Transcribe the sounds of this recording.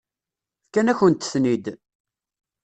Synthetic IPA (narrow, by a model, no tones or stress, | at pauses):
kːænæçənt̪ːθnid̪